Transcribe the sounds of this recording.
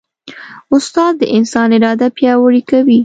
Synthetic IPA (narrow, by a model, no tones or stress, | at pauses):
ʊst̪ɑd̪̚ːəʔɪnsɑnɪɾɑd̪apjɑwaɽikawi